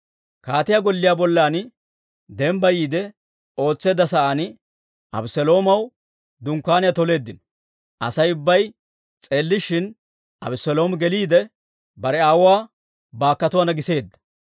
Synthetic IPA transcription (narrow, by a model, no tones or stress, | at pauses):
kaːt̪ɪjaɡɔlːɪjaːbɔlːaːn | d̪ɛmbɐjiːd̪ɛ | o̞ːt͡sːe̞ːd̪ːɐsɐʔanɪ | ʔɐ̰bɪsɛlo̞ːmɐw | d̪ʊŋkːaːnɪjɐt̪ɔle̞ːd̪ːɪn | ʔɐ̰sɐjʊbːɐj | t͡sʼe̞ːlːɪʃɪn | ʔɐ̰bɪsɛlo̞ːmɡɛliːd̪ɛ | bɐɾɛaːwʊwaː | baːkːɐt̪ʊwaːnɐɡɪse̞ːd̪ːɐ̥